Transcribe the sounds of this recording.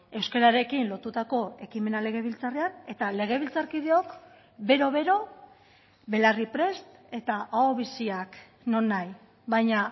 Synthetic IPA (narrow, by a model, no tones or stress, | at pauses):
e̞wskeɾaɾe̞kinlo̞t̪ut̪ako̞e̞kime̞nale̞ɣ̞e̞β̞ilt͡sareane̞t̪ale̞ɣ̞e̞βilt͡saɾkiðe̞o̞k | be̞ɾo̞βe̞ɾo̞ | βe̞laripɾe̞st̪e̞t̪aʔaoβ̞isiak | no̞nːaj | βajɲa